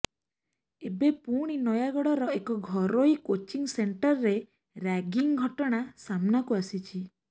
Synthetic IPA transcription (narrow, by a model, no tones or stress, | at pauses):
ebepuɽ̃inɔjaɡɔɽɔɾɔekɔɡʱɔɾoikot͡ʃiŋseɳʈɔɾɾe | ɾaɡiŋɡʱɔʈɔɽ̃asamnakuasit͡ʃʰi